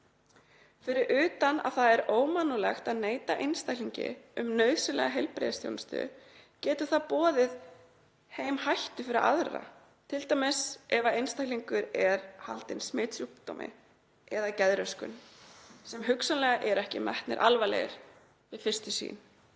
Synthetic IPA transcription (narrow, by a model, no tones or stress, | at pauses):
fɪɾɪɾʔʏːt̪ana̰ðθaðɛɾoːwmanːulɛxt̪aðneːjt̪aʔejnst̪akliɲcɪ̰ʏmnœːɥsʏlɛ̰ɣaɦejlpɾḛðast̪ʰjo̰wnst̪ʏ̰cɛːt̪ʏ̥θaðpɔːðɪð | heːjmhajht̪ʏfɪɾɪɾa̰ðɾa̰ | t̪ʰɪlt̪ajmɛsɛvaejnst̪ajkliŋkʏɾɛɾ̥halt̪ɪnsmɪːt̪sjuht̪o̰wmɪ̰ | ɛðacɛðɾœskʏ̰nsɛmɦʏksanlɛːɣaʔɛɾɛhcɪmɛht̪nɪ̰ɾʔalvalḛjɪɾ̥ | vɪðfɪr̥st̪ʏsḭːn